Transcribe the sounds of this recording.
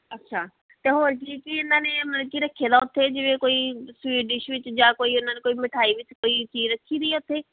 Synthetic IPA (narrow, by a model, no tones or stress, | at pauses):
ətːʃʰaː | t̪eːɦoːɾkiːkiɪnːãːneːməkiɾəkʰːjeːd̪aːʊt̪ʰːeːd͡ʒɪʋeːkoːiːsʋiːɖɪʃʋɪt͡ʃd͡ʒãːkoːiːʊnːãːneːkoːiːmɪʈʰaːiːʋɪt͡ʃkoːiːt͡ʃiːd͡ʒɾəkʰːiːd̪əiɛʊt̪ʰːeː